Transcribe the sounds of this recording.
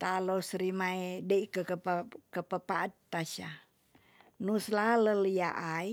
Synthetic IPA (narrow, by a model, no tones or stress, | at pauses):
t̪alosɾimaedeikəkəpkəpəpaʔat̪ːaʃa | nuslaləlja̰ʔai